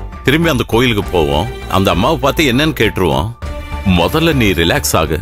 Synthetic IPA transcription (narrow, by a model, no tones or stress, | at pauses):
t̪ɪɾɯmbiɐnd̪ɐkoːjɪlɯkːɯpoːʋõ̰ːʔɐ̰nd̪ɐɐmːaːʋɐpaːɾt̪ɯɛnːɛnːɯkeːʈːɾɯʋõ̰ːmɔðɐlːɐniːɾɪlaːksa̰ːɣɐ̰